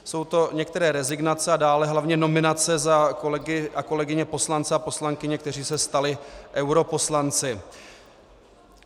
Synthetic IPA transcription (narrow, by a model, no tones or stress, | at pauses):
so̞wt̪o̞ɲɛk̚t̪ɛɾɛːɾɛzɪɡnat͡sɛadaːlɛɦlavɲɛno̞mɪnat͡sɛzakolɛɡɪʔako̞lɛɡɪɲɛpo̞slant͡sɛapo̞slaŋkɪɲɛk̚t̪ɛr̝iːsɛst̪alɪʔɛwɾo̞po̞slant͡sɪ